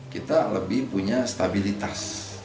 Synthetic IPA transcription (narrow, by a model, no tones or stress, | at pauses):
kit̪aləbɪhpuɲast̪abilit̪as